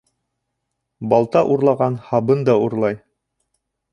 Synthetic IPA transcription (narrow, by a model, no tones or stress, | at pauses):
bɑlˠt̪ɑʔuɾlˠɑʁɑnhɑβɤnd̪ɑuɾlˠɑj